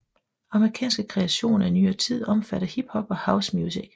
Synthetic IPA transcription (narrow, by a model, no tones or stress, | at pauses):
ɑ̈məʁikʰɛ̰ːnsɡ̥əkʰʁɛæɕo̝̰ːnænyːɐt͡sʰið̞̰ˠɒ̽mfæɾ̥ɐhib̥hɒ̽b̥ɒ̽häʊsmjusiɡ̥